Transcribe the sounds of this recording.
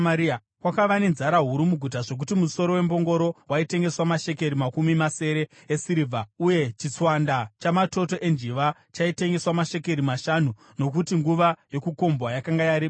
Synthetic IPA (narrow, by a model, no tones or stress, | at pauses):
i | kwakaʋane̞nzaɾaɦuɾumuɡʱut̬aʐo̞k̬utimuso̞ɾo̞we̞mbo̞ŋɡo̞ɾo̞waite̞ŋɡe̞swamaʃe̞k̬e̞ɾimakumimase̞ɾe̞ː | siɾivʱauje̞t͡ʃit͡swandat͡ʃamato̞to̞ʔe̞nd͡ʒiʋat͡ʃaite̞ŋɡe̞swamaʃe̞ke̞ɾimaʃanu | nokutiŋɡuʋajo̞kuko̞mbwajakaŋɡajaɾi